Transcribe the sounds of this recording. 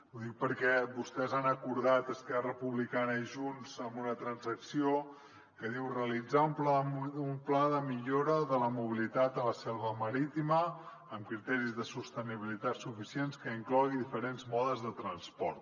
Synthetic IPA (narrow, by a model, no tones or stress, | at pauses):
uðik̚pəɾkɛbust̪ɛzanəkuɾðat̪əskɛrrəpuβlikanəiʒunzəmbunət̪ɾənzəksio | kəðiwrəəlid͡zaumplaumplaðəmiʎoɾəðələmuβ̞ilit̪at̪ələsɛlˠβəməɾit̪iməː | mkɾit̪ɛɾizðəsust̪əniβilit̪at̪sufisienskəiŋklɔɣiðifəɾenzmɔðəzðət̪ɾənspɔɾt̪